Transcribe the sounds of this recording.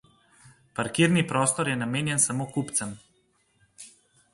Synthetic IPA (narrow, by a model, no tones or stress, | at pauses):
paɾkiːɾnipɾɔːst̪ɔɾjɛnameːnjɛnsamoːkupt̪sɛm